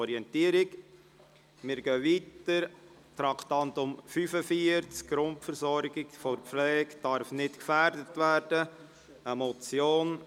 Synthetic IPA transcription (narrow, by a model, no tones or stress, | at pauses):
ɔɾiɛntiəɾɪɡ | mɪɾɡœːviːtəɾ | tɾɑktɑntʊmfyfəfiəɾt͡skɡ̥ɾʊntfəɾsɔɾɡɪɡfɔɾflɛːkd̥ɑɾfnɪtkfæɾdətʋæːɾd̥ə | əmɔt͡sjoːn